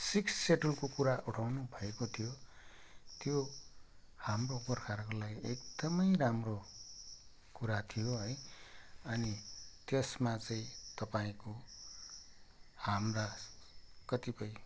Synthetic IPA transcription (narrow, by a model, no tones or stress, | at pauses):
siksːeʈulkokuɾaʔuʈʰawnubʱʌekot̪ʰijo | t̪jo | hamrobʌrkʰaɾkolaɡiekd̪̥ʌmʌjramro | kuɾat̪ʰijoɦʌj | ʌnit̪esmat͡sʌĩt̪ʌpaĩko | hamra | kʌt̪ipʌj